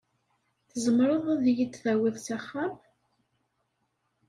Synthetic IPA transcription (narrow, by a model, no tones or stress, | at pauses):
θəzəmɾˤəðˤæðjid̪θæwiðˤθaχːam